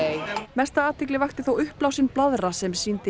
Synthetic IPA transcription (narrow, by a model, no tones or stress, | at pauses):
mɛst̪aaːt̪ʰɪklɪvajxt̪ɪθowʏhplawsɪnplaðɾasɛmsiːnt̪ɪ